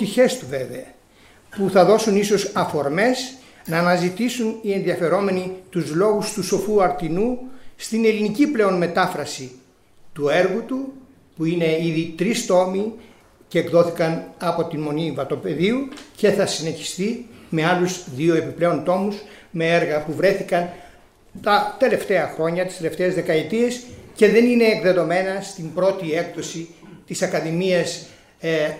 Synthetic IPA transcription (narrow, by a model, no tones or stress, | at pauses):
t̪içe̞st̪uve̞ve̞ɐ | puθɐðo̞suniso̞sɐfo̞ɾme̞s | nɐːnɐzit̪isunie̞nðiɐfe̞ɾo̞me̞nit̪uzlo̞ɣust̪uso̞fuɐɾt̪inust̪ine̞liniciple̞o̞nme̞t̪ɐfɾɐsi | t̪ue̞ɾɣut̪u | puine̞iðit̪ɾist̪o̞mi | ceːkðo̞θikɐnɐpo̞t̪inmo̞nivɐt̪o̞pe̞ðiuce̞θɐsine̞çi̥st̪ime̞ɐluzðio̞e̞piple̞o̞nt̪o̞muzmeeɾɣɐpuvɾe̞θikɐn | t̪ɐt̪e̞le̞ft̪e̞ɐxɾo̞ɲɐt̪ist̪ele̞ft̪e̞ːzðe̞kɐet̪ie̞sce̞ðe̞nine̞ːkðe̞ðo̞me̞nɐst̪imbɾo̞t̪iekðo̞sit̪isɐkɐðimiɐs